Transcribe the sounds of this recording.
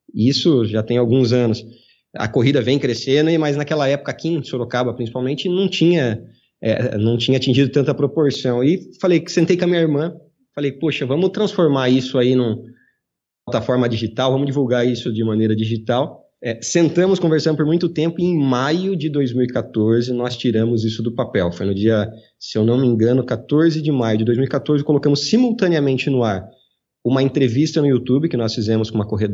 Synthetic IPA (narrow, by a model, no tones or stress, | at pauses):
isʊʒat̪ẽj̃awɡũzɐ̃nʊs | ɐ̰koɦid̪ɐvẽj̃kɾesẽnd̪ʊɪmɐjznakɛlɐɛpʊ̥kɐkĩsoɾokabɐpɾĩsi̥pawmẽnt͡ʃɪnɐ̃w̃t͡ʃĩɲɐ | ɛ̰nɐ̃w̃t͡ʃĩɲɐat͡ʃĩʒid̪ʊt̪ɐ̃nt̪ɐpɾopoɾsɐ̃w̃ɪfalejsẽnt̪ejkɐmĩɲɐiɾmɐ̃ | falejpoʃɐvɐ̃mʊt̪ɾɐ̃sfoɾmaɾisʊainʊ̃ | awt̪afɔɾmɐd͡ʒiʒit̪awvɐ̃mʊd͡ʒivuwɡaɾisʊd͡ʒɪmɐ̃nejɾɐd͡ʒiʒit̪aw | ɛsẽnt̪ɐ̃mʊskõveɾsɐ̃d̪ʊp̬oɾmũj̃t̪ʊt̪ẽmpʊẽj̃majʊd͡ʒɪd̪ojzmiwikat̪oɾzɪnɔst͡ʃiɾɐ̃mʊzisʊd̪ʊpapɛwfojnʊd͡ʒiɐ | sewnɐ̃w̃mĩŋɡɐ̃nʊkat̪oɾzɪd͡ʒɪmajʊd͡ʒɪd̪ojzmiuwikat̪oɾzɪkolokɐ̃mʊsːimuwt̪ɐ̃niɐmẽnt͡ʃɪnʊaɾ | ũmɐẽnt̪ɾevist̪ɐnʊiut̪ubɪkɪnɔsfizɛ̃mʊskõumɐkoɦid̪